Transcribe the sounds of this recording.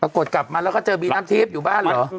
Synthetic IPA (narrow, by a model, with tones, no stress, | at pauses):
paː˧˩ku˨˩ət̪̚ka˨˩p̚maː˧lɛː˦˥wkʰɔ˥˩t͡ɕɤː˧biː˧naː˦˥mt̪ʰiː˦˥˩p̚juː˨˩baː˥˩nllɔː˦˨˩